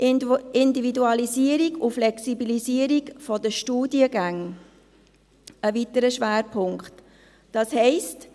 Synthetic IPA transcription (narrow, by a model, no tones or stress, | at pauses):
ɪndividuɑliziːəɾiɡuflɛksibiliziəɾiɡfɔd̥əʃtuːdiəɡaŋ | əvitəɾəʃʋæːɾpʰʊŋkχt | d̥ɑshɛɪst